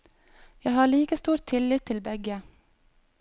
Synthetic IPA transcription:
jæɪhɑːɭiːkəst̪uːɾt̪ʰɪlɪt̪ʰɪlbɛɡə

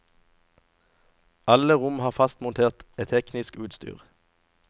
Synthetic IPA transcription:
ʔɑləʁʊmhɑːʁfɑst̪mʊnt̪ʰeːʁt̪et̪ʰɛknɪskʉːt̪st̪y̰ːʁ

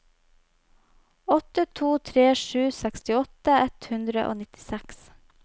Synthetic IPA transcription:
ɔt̪ət̪ʰuːt̪ʰɾeːʃʉːsɛkst̪ɪɔt̪əɛt̪hʉnd̪ɾəʔo̰ːnɪt̪ɪ̥sɛks

